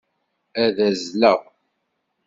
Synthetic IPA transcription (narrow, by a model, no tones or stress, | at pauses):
æðæzləʁ